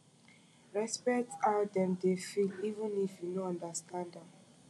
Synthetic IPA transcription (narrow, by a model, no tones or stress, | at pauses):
ɹɛspɛktadɛ̃mdefilivə̃nifjunoãndastʰãndãm